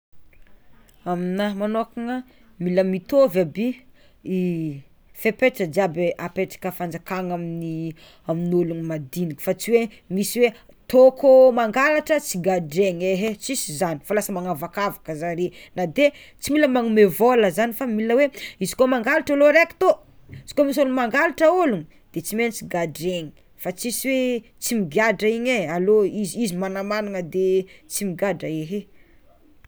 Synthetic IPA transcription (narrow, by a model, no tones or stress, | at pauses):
aminamanokaŋa | miləmit̪ovabi | i | fepeʈ͡ʂəd͡ʒabeʔapeʈ͡ʂḁkəfand͡zakaŋamini | aminulunimad̪inikʲi̥fat͡siwe | misiwe | t̪okomaŋɡalaʈ͡ʂət͡siɡaɖ͡ʐeŋeɦet͡sisizani̥falasəmaŋavakavakəzaɾinad̪e | t͡similəmaŋumevoləzanifamiliəweizi̥komaŋɡalaʈ͡ʂaloɾeki̥t̪o | izi̥komisolumaŋɡalaʈ͡ʂəoluŋi | d̪̥et͡simenit͡siɡaɖ͡ʐeɲi̥ | fat͡sisiwe | t͡simiɡaɖ͡ʐəiɲealoizizimanamanaŋəd̪et͡simiɡadəeɦe